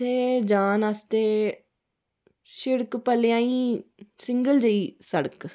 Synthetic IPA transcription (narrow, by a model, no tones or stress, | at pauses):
eːd͡ʒaːnəst̪eː | ʃɪɽkpəljãːĩːsɪŋɡəld͡ʒəiːsəɽək